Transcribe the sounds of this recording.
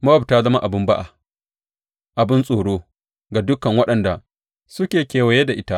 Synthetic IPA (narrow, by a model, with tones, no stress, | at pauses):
mɐ˦wɐ˨btaː˦zɐ˦ma˦ʔa˨bɪ˦mba˦ʔa˨ | ʔa˨bɪ˦nsʼoː˨ɽoː˦ | ɡa˨dʊ˦kɐ˨ŋwɐ˦ɗɐ˨nda˨ | sʊ˦kʲeː˨kʲeː˨wɐ˨je˦da˨ʔɪ˦ta˦ʔ